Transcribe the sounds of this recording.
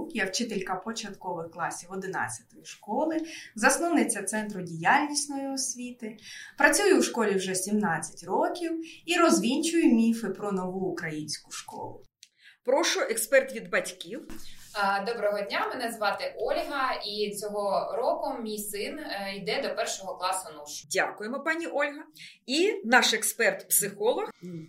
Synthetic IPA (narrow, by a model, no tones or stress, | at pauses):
kjawt͡ʃɪt̪elʲkɐpɔt͡ʃɐt̪kɔʋɪxklˠɑsʲiwɔd̪ɪnɑ̰t͡sʲːɐ̥t̪ɔjiʃkɔlˠɪzɐsnɔwnɪt͡sʲɐt̪sɛnt̪ɾʊdʲijalʲnʲisʲnɔjiɔsʲʋʲit̪ɪpɾɐt͡sʲujʊwʃkɔlʲiwʒɛsʲimnɑt͡sʲːɐ̥tʲrɔkʲiwiɾɔzʲʋʲinʲt͡ʃʊjʊmʲifɪpɾɔnɔʋuːkɾɐjinʲsʲkʊ̥ʃkɔ̰lˠʊ̰ | pɾɔʃʊʔekspɛrt̪ʋʲid̪bɐtʲkʲiw | d̪ɔbɾɔɦɔdʲnʲamenɛzʋɑt̪ɪʔɔlʲɦɐit͡sʲɔɦɔɾɔkʊmʲijsɪnid̪ɛd̪ɔpɛrʃɔɦɔklˠɑsʊnɔʃdʲa̰kʊjemɔpɑnʲiʔɔlʲɦɐinɑʃekspɛrt̪psɪxɔlˠɔx